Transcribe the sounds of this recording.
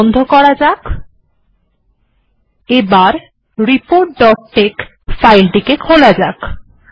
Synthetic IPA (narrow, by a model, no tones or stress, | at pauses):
nd̪ʱokɔɾad͡ʑak | ebaɾ | ɾipoɾʈ̚ɖɔʈ̚ːek | fajlʈikekkʰolad͡ʑak